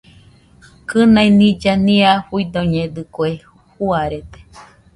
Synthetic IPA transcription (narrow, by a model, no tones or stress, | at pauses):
kɨnainid͡ʒaniaɸuid̪oɲẽd̪ɨkue | huaɾet̪e̥